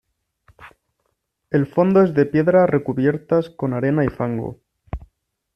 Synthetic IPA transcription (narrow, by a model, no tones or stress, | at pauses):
e̞lfo̞nd̪oe̞zðe̞pje̞ðɾare̞kuβje̞ɾt̪asko̞naɾe̞naifaŋɡo̰